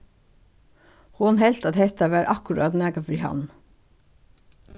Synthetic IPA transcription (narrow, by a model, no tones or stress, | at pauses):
hʊnhɛlt̪ɑt̪hɛt̪ɑʋæːɾʔɑkʉɾɑ̰ːt̪næːɡɑfɾiːhɑ̰n